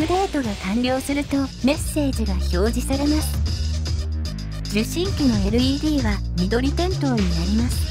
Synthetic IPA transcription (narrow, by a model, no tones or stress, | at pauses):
ɯ̟ɾeːt̪o̞ɡakãnɾʲo̞ːsɨɾɯ̟t̪o̞me̞sːe̞ːʑiɡaço̞ːʑisaɾe̞masɨ̥ | d͡ʑɨɕĩŋkʲino̞e̞ɾɯ̟iːd̪ʲiːβa | mʲid̪o̞ɾʲit̪ẽ̞nt̪o̞ːɲ̟inaɾʲimasɨ̥